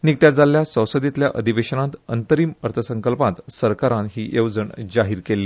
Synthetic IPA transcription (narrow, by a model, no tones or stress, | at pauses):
nik̚t̪jad͡zaljasə̃w̃səd̪it̪ljaʔəd̪ʱiʋeɕənãt̪ənt̪əɾiːməɾt̪ʰəsəŋkəlpãt̪səɾkaɾãɦiːʔewd͡zəɳd͡ʑaɦiːɾkelːiː